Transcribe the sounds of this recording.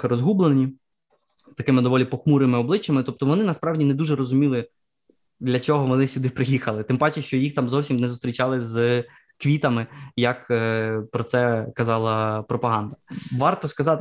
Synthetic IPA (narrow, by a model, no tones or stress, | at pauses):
ɪɾɔzɦublˠenʲi | st̪ɐkɪmɪd̪ɔʋɔlʲipɔxmuɾɪmɪɔblˠɪt͡ʃːɐmɪt̪ɔp̚t̪ɔʋɔnɪnɐspɾɑwdʲinɛd̪uʒɛɾɔzʊmʲilˠɪ | d̪lʲɐt͡ʃɔɦɔʋɔnɪsʲud̪ɪpɾɪjixɐlˠɪt̪ɪmbɑt͡ʃɪʃt͡ʃɔjixt̪ɑmzɔwsʲimnɛzʊst̪ɾʲit͡ʃɑlˠɪz | kʋʲit̪ɐmɪjɐkːpɾɔtsɛkɐzɑlˠɐpɾɔpɐɦɑnd̪ɐʋɑrt̪ɔskɐzɑt̪ɪ